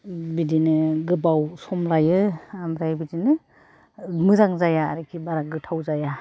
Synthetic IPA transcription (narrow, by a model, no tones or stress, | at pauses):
bidinɯɡɯbawsɔmlajɯamɾajbidinɯ | mɯzaŋzaja̰ːɾikʰibaɾaɡɯtʰawzaja